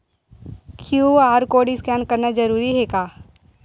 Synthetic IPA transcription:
kʰjuːaːɾkoːɖɪskɛːnkɐɾnad͡ʒɐɾuːɾiɦekaː

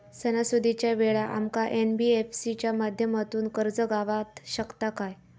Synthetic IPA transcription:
sənasud̪ʱit͡ɕjaʋeɭaʔa̰mkaʔenbiefsit͡ɕjamad̪ʱjəmat̪uːnkəɾd͡zəɡaʋat̪ɕəkt̪akaj

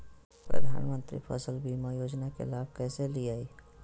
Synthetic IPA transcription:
pɾə̰d̪ʱa̰ːnmə̃nt̪ɾḭpʰəsəlbʱimãjoːd͡ʒnakḛlaːb̚ʱkɛːseliaːi

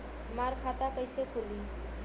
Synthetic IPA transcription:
maɾkʰat̪akəɪsekʰoli

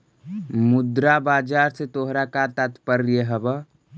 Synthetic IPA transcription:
mʊd̪ɾabaːd͡ʒaːɾset̪oɦɾakat̪at̪pəɾːieɦəbə

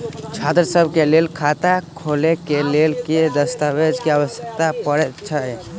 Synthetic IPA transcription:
t͡ʃʰad̪ɾəsəbʱkelelkʰat̪akʰolekelelked̪əst̪awed͡ʒkeaʋəsjəkt̪apəɾɛt͡ʃʰə

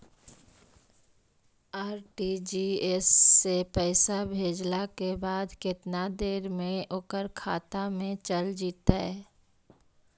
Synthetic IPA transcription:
aːɾʈid͡ʒiːesːepɛːɪsabʱeːd͡ʒlakebaːd̪kɪt̪nad̪eːɾmẽoːkəɾkʰaːt̪amẽt͡ʃəld͡ʒiːt̪aɦɛː

